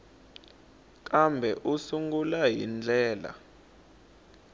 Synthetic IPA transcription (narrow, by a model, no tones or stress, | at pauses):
k̬ʼambʱɛʔusuŋɡulaɦḭnd͡ɮʱɛːla̰